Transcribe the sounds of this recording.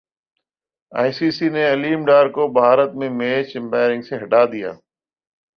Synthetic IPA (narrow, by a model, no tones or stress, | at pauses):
a̰ːjsiːsiːneɐliːmɖaːɾkoːbʱaːɾət̪mẽmeːt͡ʃɪ̃mbaːɪɾɪ̃ŋɡseɦɐɖaːd̪ija̰ː